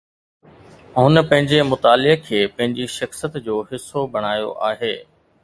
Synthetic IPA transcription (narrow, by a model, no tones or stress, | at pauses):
ɦʊnə̆pɐ̃ɦɪ̃ɲd͡ʑemʊt̪aːlɪɦkʰeːpɐ̃ɦɪ̃ɲd͡ʑiʃɐxsɪjət̪d͡ʑoːɦɪsːobɐɽ̃aːjo̰ʔaːɦeː